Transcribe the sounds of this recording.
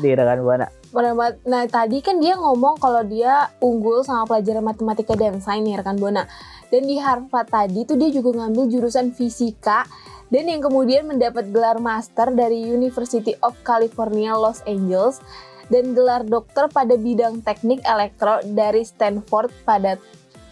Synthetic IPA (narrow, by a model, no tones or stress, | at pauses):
diɾakanbuana̰ | pəamanat̪adikandiaŋɔmɔŋkalawdiauŋɡʊlsamapəlad͡ʒaɾanmat̪emat̪ikadansajnirkanbna | dandiɦarfat̪adit̪udiad͡ʒuɡaŋambɪld͡ʒuɾusanfisikadanjaŋkəmudianməndapat̪̚ɡəlarmast̪ərdaɾiunifərsit̪iʔɔfkalifɔrnialɔseɲd͡ʒɛls | danɡəlardɔk̚t̪ərpadabidaŋt̪ɛk̚nɪkelɛk̚t̪ɾodaɾist̪anfɔrt̪̚pada